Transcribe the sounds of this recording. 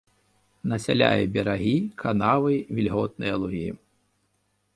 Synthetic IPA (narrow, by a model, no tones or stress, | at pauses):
nɐsʲa̰lʲa̰jɛbʲɛɾaɣʲikʰanavɨvʲilʲɣɔt̪̚nɨjɐlˠuɣʲi